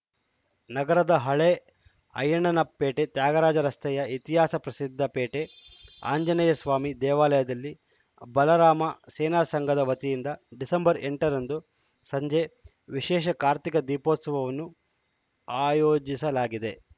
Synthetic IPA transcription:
nɐɡɐɾɐd̪ɐɦɐɭe | ɐ̰jɐɳɐnɐpeːʈe̞t̪jaːɡɐɾaːd͡ʒɐɾɐst̪ɐjɐit̪iɦaːsɐpɾɐsid̪ʱːɐpeːʈe | a̰ːɲd͡ʒɐnɐjɐsʋaːmid̪ɛːʋaːlɐjɐd̪ɐlːi | bɐlɐɾaːmɐseːnaːsɐŋɡʱɐd̪ɐʋɐt̪ijind̪ɐɖisɐmbɐɾeɳʈɐɾɐnd̪u | sɐɲd͡ʒe | ʋiʃɛːʃ̬ɐkaːɾt̪ikɐd̪iːposɐʋɐʋɐnːu | aːjoːd͡ʒisɐlaːɡid̪e̞

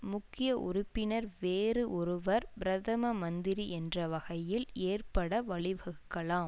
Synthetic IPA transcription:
mʊkːɪjɐʔʊ̰ɾʊpːɪnɐɾʋeːrɯʔɔɾɯʋɐɾbɾɐðɐmɐmɐnd̪ɪɾiɛndrɐʋɐɣɐjɪleːrpɐɽɐʋɐɭɪʋɐɣɯkːɐɭaːm

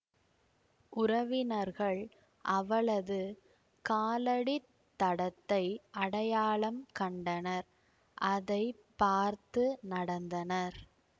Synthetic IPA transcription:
ʔʊɾɐʋɪnɐɾɣɐɭ | ʔɐʋɐɭɐðɯ | kaːlɐɽi | t̪ːɐɽɐt̪ːɐɪʔɐɽɐjaːɭɐmkɐɳɖɐnɐɾ | ʔɐðɐɪpaːɾt̪ɯnɐɽɐnd̪ɐnɐɾ

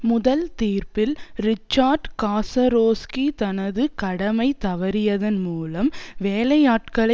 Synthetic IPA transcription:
mʊðɐlt̪iːɾpɪlɾɪt͡ʃːaːɾɖkaːsɐɾoːskit̪ɐnɐðɯkɐɽɐmɐɪt̪ɐʋɐɾɪjɐðɐnmuːlɐmʋeːlɐjaːʈkɐɭɐ

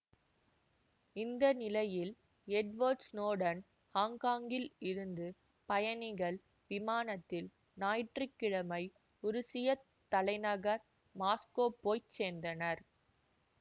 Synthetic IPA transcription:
ɪnd̪ɐnɪlɐjɪl | ɛɖʋoːɾsnoːɽɐn | haːŋkaːŋɡɪlɪɾɯnd̪ɯ | pɐjɐnɪɣɐɭ | ʋɪmaːnɐt̪ːɪl | naːjʈrɪkːɪɻɐmɐɪ | ʊɾɯsɪjɐ | t̪ːɐlɐɪnɐɣɐɾ | maːskoːpoːjt͡ʃeːnd̪ɐnɐɾ

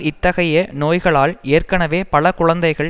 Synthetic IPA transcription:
ɪt̪ːɐɣɐjɐnoːjɣɐɭaːleːrkɐnɐʋeːpɐɭɐkʊɻɐnd̪ɐɪɣɐɭ

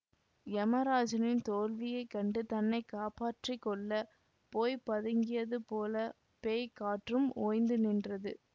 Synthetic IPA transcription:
ɛmɐɾaːd͡ʒɐnɪnt̪oːlʋɪjɐɪkːɐɳɖɯt̪ɐnːɐɪkːaːpaːʈrikːɔɭːɐ | poːjpɐðɯŋɡɪjɐðɯpoːlɐ | peːjkaːʈrɯmoːjnd̪ɯnɪndrɐðɯ

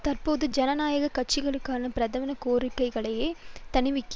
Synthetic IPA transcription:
t̪ɐrpoːðɯd͡ʒɐnɐnaːjɐɣɐkːɐʈ̚t͡ʃːɪɣɐɭɯkːaːnɐpɪɾɐðɐʋɪnɐkoːrɪkːɐɪɣɐɭɐjeːt̪ɐɳɪʋɪkː

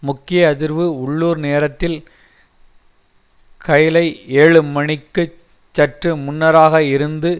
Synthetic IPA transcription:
mʊkːɪjɐɐðɪɾʋɯʊɭːuːɾneːɾɐt̪ːɪl | kɐjɪlɐɪeːɻɯmɐɳɪkːɯ | t͡ʃːɐʈrɯmʊnːɐɾaːɣɐɪɾɯnd̪ɯ

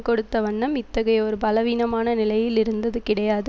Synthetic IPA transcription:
kɔɽɯt̪ːɐʋɐɳːɐmɪt̪ːɐɣɐjɐɔɾɯpɐlɐʋiːnɐmaːnɐnɪlɐjɪlɪɾɯnd̪ɐðɯkɪɽɐjaːðɯ

